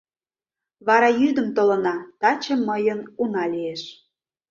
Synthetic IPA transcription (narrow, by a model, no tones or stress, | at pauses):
βɑɾɑjyd̪ə̆mt̪olə̆nɑt̪ɑt͡ɕə̆mːəjənunɑlieʃ